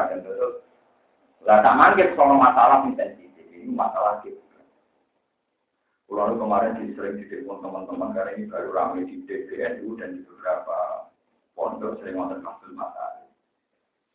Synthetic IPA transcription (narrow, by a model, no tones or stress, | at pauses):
dand̪ət̪ʊs | lat̪aʔmaŋkɪt̪̚sɔlɔmasalasint̪ɛntit̪ɪkinikumasalakɪt̪̚ | a | kulanukəmaɾɪnd̪̥isəɾɪŋd̪id̥ɪʔpʊnt̪əmənt̪əmənkaɾainib̥a̤ɾuɾa̰med̪̥id̥eʔb̥eʔɛnud̥and̪̥i̤b̥əb̥əɾapa | pɔ̰ndɔrsəɾɪŋwant̪ɔpaŋb̥əlma̰sa̰ɾi